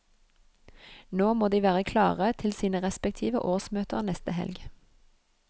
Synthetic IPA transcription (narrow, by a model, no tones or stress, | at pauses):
noːmoːd̪iːʋæːʁəkʰlɑːʁət̪ʰɪlsiːnəʁɛspɛk̚t̪ʰiːʋə̰ʔoːsmøːt̪əʁnɛst̪əhɛ̰lɡ